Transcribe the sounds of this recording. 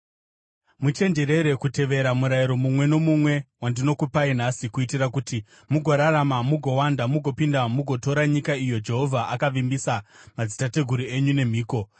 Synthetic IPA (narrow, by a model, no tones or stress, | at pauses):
mut͡ʃe̞nd͡ʒe̞ɾe̞ɾe̞kute̞ʋe̞ɾamuɾajiɾo̞mumwe̞no̞mumwe̞wandino̞kupain̤asikuitirakuti | muɡʱo̞ɾaɾamamuɡʱo̞wandamuɡʱo̞pindamuɡʱo̞to̞ɾaɲikaijo̞d͡ʒe̞ɦo̞vʱaʔakaʋimbisamad͡zitate̞ɡʱuɾie̞ɲune̞m̤iːko̞